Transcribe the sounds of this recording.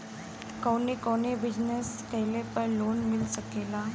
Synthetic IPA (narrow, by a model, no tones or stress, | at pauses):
konikonebid͡ʑnəskəɦjlepəɾlonmilsəkela